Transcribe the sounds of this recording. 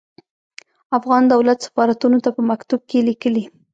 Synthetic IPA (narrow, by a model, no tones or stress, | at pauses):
afɣɑnd̪awlat̪sḁfɑɾat̪unot̪apəmakt̪ub̚kelikəli